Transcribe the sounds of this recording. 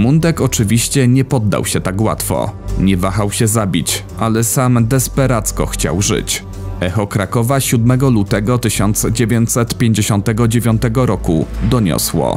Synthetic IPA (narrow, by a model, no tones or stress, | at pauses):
mund̪ɛkɔt͡ʂɘvʲiɕt͡ɕɛɲɛpɔd̪ːa̰wɕɛt̪akwa̰t̪fɔ̰ɲɛvaxawɕɛzabʲit͡ɕ | ʔalɛsamd̪ɛspɛɾat̪skɔ̰xt͡ɕa̰wʐɘ̰t͡ɕ | ʔɛxɔkɾakɔvaɕud̪mɛɡɔlut̪ɛɡɔt̪ɘɕɔnt̪sd͡ʑevʲjeɲt̪sɛt̪pʲjeɲd͡ʑeɕɔnt̪ɛɡɔd͡ʑevʲjɔnt̪ɛɡɔɾɔkud̪ɔɲɔ̰swɔ̰